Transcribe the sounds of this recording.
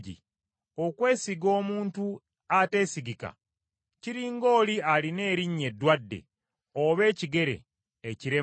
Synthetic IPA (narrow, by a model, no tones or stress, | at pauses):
ɟḭ | o̞kwe̞ːsiɡo̞ːmuːntu | ate̞ːsiɡika̰ | ciɾiːŋɡo̞ːlialine̞ːɾiɲːe̞dːwadːḛ | oβe̞ːciɡe̞ɾe̞̰ː | ciɾe